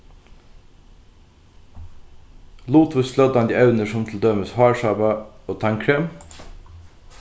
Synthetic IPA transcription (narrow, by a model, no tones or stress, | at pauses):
luːt̪ʰʋʉsslœd̪ɑnd̪iːɑʉnəʃɔmt̪ʰl̩d̪œːməshɑːɹʃɑːbɑoːt̪ʰɑŋkʰɾeːm